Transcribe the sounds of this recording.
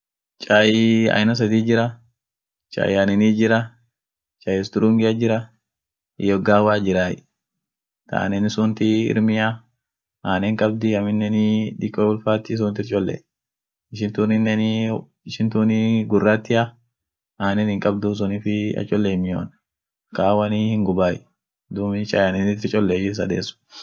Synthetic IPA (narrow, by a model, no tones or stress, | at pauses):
t͡ʃʼaːjɐ̰jnɐs̬ɐd̪iːd͡ʒɪɾɐ | t͡ʃʼa̰ːjaːnɛniːd͡ʒɪɾɐ | t͡ʃʼaːjɛst̪ʊɾuŋɡɪjɐd͡ʒɪɾɐ | ɪ̰jɔɡaːwaːd͡ʒɪɾaːjɪ | t̪a̰ʔnɛnɪsʊnt̪ɪɪ̰ɾmɪja | ʔaːnɛŋkʼɐb̚d̪ɪɐmɪnːɛnɪᶑɪkʼːɔwʊlfaːt̪ːɪs̬ʊnt̪ɪɾt͡ʃʼɔlːɛ̰ | ɪʃɪnt̪unɪnːɛn | ʃɪnt̪uniɡʊrːat̪ːɪʔɐ | aːnɛnhɪŋkʼɐbd̪us̬ʊnifɪɐ̰t͡ʃʼːɔlːeːmɪjo̰ːn | kaːwɐnihɪŋɡʊbaːj | d̪umɪt͡ʃʼɐjɐnɛnɪt̪ɪɾt͡ʃʼɔlːɛɪʃɪns̬ɐd̪ḛːsʊ̥